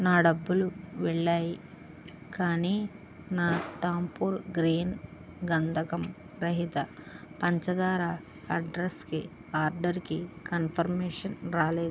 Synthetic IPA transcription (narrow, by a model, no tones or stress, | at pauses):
naːɖɐbːuluʋɛɭːaːji | kaːniː | naːt̪aːmpuːɾɡɾiːn | ɡɐnd̪ʰʱɐkɐm | ɾɐɦit̪ɐpɐɲt͡ʃɐd̪aːɾa | ɐɖɾɐski | aːɾɖɐɾkikɐnpʰɐɾmeːʂɐnɾaːleːd̪u